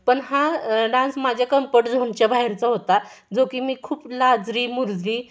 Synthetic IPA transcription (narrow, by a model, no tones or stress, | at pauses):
pəɳɦaɖãnsmad͡ʑʱjakəmpəʈd͡zʱoɳt͡ɕjabaɦiɾt͡səɦot̪a | d͡zokiːmiːkʰuːplad͡zɾiːmuɾd͡zɾiː